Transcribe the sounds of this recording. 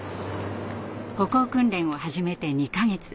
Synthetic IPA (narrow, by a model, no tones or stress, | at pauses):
ho̞ko̞ːkɯ̟̃nɾẽ̞ɰ̃o̞haʑime̞t̪e̞ɲ̟ikaɡe̞t͡sɨ̥